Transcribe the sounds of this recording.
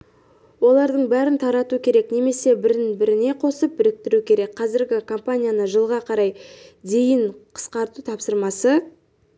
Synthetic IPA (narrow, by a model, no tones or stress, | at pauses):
wo̞lˠɑɾd̪əɴbæɾɪnt̪ʰɑɾɑt̪ukʲʰe̞ɾe̞kne̞me̞se̞bɪɾɪnbɪɾɪne̞qʰo̞səp̚bɪɾɪk̚t̪ɪɾukʲʰe̞ɾe̞kqʰɑzɪɾɡʲɪkʰo̞mpanʲijanəʒəlˠʁɑqʰɑɾɑjd̪e̞jɪɴqʰə̥sqɑɾt̪ut̪ʰɑpsəɾmɑsə